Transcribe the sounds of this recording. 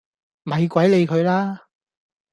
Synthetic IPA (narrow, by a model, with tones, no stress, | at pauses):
m̩˨ɐ˨˧jkʷɐ˨˥jle˨˧jkʰɵ˨˧ɥlaː˥